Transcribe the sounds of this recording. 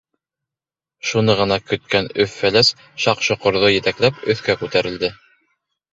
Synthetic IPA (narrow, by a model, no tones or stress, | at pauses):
ʃunɤʁɤ̆nɑkɵ̆t̪̚kænɵfːælæs | ʃɑqʃŏqŏɾðojɘ̆t̪æklæpɵ̆θkækʉt̪æɾɘ̆ld̪ɘ